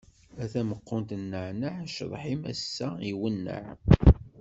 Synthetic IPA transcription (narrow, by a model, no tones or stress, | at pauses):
æθæməqːʊnt̪ənːəʕnəʕʃəðˤħimæ̰sːæiwənːə̰ʕ